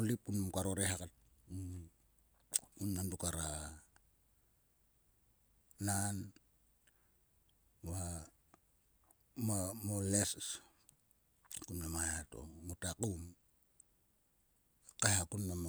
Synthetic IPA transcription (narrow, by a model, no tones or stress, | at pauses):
olipunmkaɾoɾeɦakat̚ | unːandukaɾa | nan | wa | mamoles | kunlamajato̰mutakum | kajhakunːam